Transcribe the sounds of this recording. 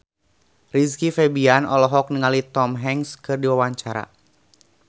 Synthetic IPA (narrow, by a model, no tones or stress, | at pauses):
riskifɛbianɔlɔɦɔk̚niŋalit̪ɔmɦɛŋskɨrdiwawaɲt͡ʃaɾa̰